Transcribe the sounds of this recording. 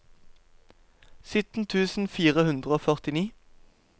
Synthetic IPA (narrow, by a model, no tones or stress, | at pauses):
sʏt̪n̩t̪ʰʉːsn̩fiːʁəhʉnd̪ʁəoːfœʁt̪ɪniː